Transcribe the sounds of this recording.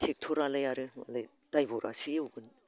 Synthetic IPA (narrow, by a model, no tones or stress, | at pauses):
tʰek̚tʰoɾalajaɾɯa̰la | d̥ajboɾa̰siuɡɯn